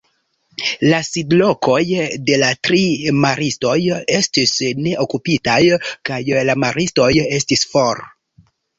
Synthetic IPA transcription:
lasidlo̞ko̞jde̞latɾimaɾisto̞je̞stisne̞ʔokupitajkajlamaɾisto̞je̞stisfoɾ

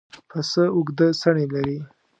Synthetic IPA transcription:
pəsəʊɡd̪əsaɳelaɾi

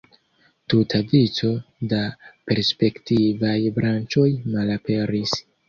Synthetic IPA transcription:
tutʰadit͡so̞dape̞ɾspe̞ktivajbɾant͡ʃo̞jmalape̞ɾis

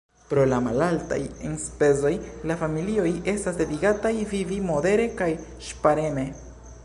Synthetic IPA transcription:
pɾo̞lamalalta̰jenspe̞zo̞jlafamilio̞je̞stasde̞diɡatajvivimo̞de̞ɾe̞kaj | ʃpaɾe̞ne

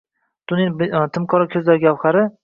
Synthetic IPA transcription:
d̪̥ʊnɪnbt̪ʰɪmkʰɒɾɒkʲʰɵzd̪aɾɡʲɒwχaɾɪ

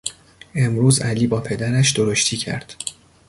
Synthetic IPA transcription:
e̞mɾuːzæliːbɒːpʰe̞d̪æɾæʃd̪oɾoʃt̪ʰiːcʰæ̰ɾd̪̥

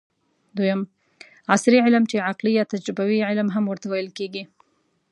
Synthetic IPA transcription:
d̪ojam | asɾiʕɪlmt͡ʃeʕaqlijat̪ad͡ʒɾɪbawiʕɪlmɦamwəɾt̪awajəlkeɡi

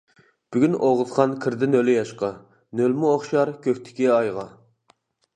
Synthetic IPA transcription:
b̥yɡʲynʔoʁət̪qɑnkʲʰɪɾd̪ɪnølɪjɑʃqɑ | nølmʊoχʃɑɾkʲøhʲt̪ʰɪ̥kʲiɑjʁɑ

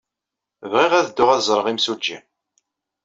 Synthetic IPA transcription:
vʁiʁæðd̪ːʊʁæðzˤɾˤəʁimsud͡ʒːi

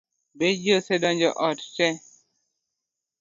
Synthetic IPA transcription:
bed͡ʒosedɔɲd͡ʒɔʔɔt̚tɛ

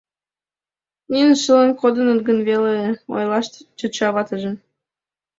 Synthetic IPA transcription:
nʲinəʃələ̆nkod̪ɤ̆nə̆nɡə̆nβeleo̰jlˠɑʃt̪t͡ɕət̪t͡ɕɑβɑt̪ə̆ʒə̆m

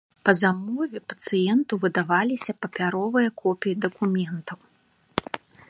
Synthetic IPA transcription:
pɐzamɔvʲɛpɐ̥t̪sɨjɛnt̪uvɨd̪avalʲisʲɐpɐpʲaɾɔvɨjɐkʰɔpʲijid̪ɐkumʲɛnt̪ɐw

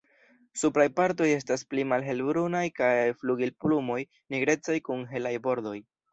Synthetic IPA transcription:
supɾajpaɾto̞je̞s̬tasplimalɦe̞lbɾunajkajfluɡilplumo̞j | niɡɾe̞t͡sajkuŋɦe̞lajbo̞ɾd̪o̞j

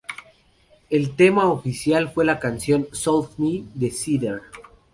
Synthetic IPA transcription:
elt̪e̞maofisjalfwe̞lakansjo̞nsolfnid̪esiðeɾ

